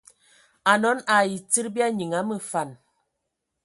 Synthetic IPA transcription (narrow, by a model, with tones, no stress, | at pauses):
a˨nɔ˨˦na˨ji˨ti˦ɾbi˦a˦ɲi˨ŋa˨˦mə˨fa˨n